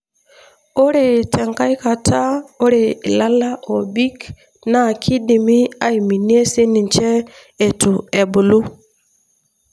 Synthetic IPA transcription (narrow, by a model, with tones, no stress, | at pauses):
o˦ɾe˨tʰɛ˨ŋka˦jka˨tʰa˦o˦ɾe˨la˦la˦ʔo˨bi˦k | na˦˨kʰi˦di˨mi˦a˦i˨mi˨ni˦e˦se˦ni˨nt͡ʃeː˦˨ | tu˨e˨bu˨lu˦